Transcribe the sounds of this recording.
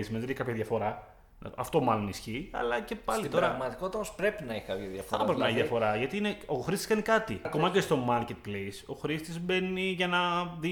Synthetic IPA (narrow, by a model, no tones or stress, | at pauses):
ismenðneçkɐpçɐðjɐfo̞ɾɐ̰ | ɐft̪o̞mɐlo̞nisçiɐ̰lɐce̞pɐslit̪it̪oɾɐɣmɐt̪i̥kot̪ɐospɾe̞pinɐiçkɐpçɐðjɐfɐpɾepineçðjɐfo̞ɾɐʝɐt̪iineoxɾist̪i̥skɐnikɐt̪iɐko̞mɐcest̪o̞mɐɾcet̪̚pleso̞xɾist̪izbe̞niʝɐnɐði